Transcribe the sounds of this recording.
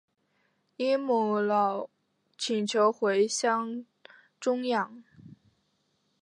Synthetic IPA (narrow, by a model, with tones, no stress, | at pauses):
i˥mu˨˩lɑ˨˩ʊ | t͡ɕʰi˨˩nt͡ɕʰjo˧˥ʊxwe˧˥ɪɕjɑ˥ŋ | ʈ͡ʂʊ˥ŋjɑ˨˩˦ŋ